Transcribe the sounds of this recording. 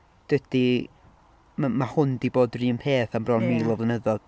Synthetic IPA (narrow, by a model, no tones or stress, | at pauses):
d̥wɛd̥i | mmahʊndiboːdriːənpʰeːθanbrɔnmiːlˠɔvlˠənəðɔd̥